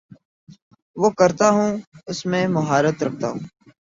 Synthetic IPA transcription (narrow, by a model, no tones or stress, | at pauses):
ʋoːkəɾt̪aːɦũːʊsmẽːməɦaːɾət̪ɾək̚ʰt̪a̰ːɦũː